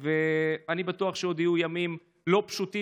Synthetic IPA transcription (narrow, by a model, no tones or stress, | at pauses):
veanibatuaχʃeo̞d̪ijujamim | lo̞pʃuti